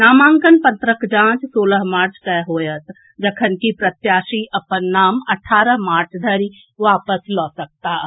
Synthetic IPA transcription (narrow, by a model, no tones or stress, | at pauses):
naːmãːŋkənpət̪ɾəkd͡ʒãːt͡ʃsoːləɦmaːɾt͡ʃʰt̪ɛɦoːjət̪ | d͡ʒəkʰənkipɾɐt̪jaːʃiɐpənːaːmɐʈʰaːɾəɦmaːɾt͡ʃʰd̪ʱɐɾi | ʋaːpəslɔːsək̚t̪aː